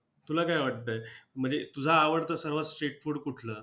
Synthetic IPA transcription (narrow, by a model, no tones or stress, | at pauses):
t̪ulakajʋaʈ̚t̪əm̤əɳd͡zet̪ud͡zʱaːʋəɽt̪əsəɾʋət͡ssʈeʈfuɽkuʈʰləː